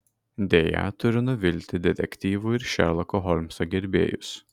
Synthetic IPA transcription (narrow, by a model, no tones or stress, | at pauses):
d̪ʲeːjɛ̰t̪ʊɾʲɪnʊʋʲɪlʲt̪ʲɪd̪ʲɛt̪ʲɛkʲt̪ʲiːʋuːɪɾʃʲɛ̰ɾlˠɐkoɦɔlʲmʲsɔɡʲɛɾʲbʲḛːjʊs